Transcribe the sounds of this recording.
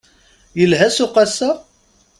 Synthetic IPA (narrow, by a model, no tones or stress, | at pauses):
jəlɦæsʊqɑsːæ